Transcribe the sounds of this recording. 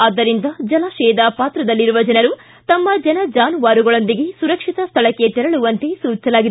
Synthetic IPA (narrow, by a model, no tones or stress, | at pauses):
ɐd̪ːɐɾind̪ɐd͡ʒɐlɐʃɛːd̪ɐpaːt̪ɾɐd̪ɐlːiɾuʋɐd͡ʒɐnɐɾu | t̪ɐmːɐd͡ʒɐnɐd͡ʒaːnuʋaːɾuɡɐɭo̞nd̪iɡe̞suɾɐkʂit̪ɐst̪ʰɐɭɐkːe̞t̪ɛɾɐɭuʋɐnt̪e̞suːt͡ʃɐlaːɡi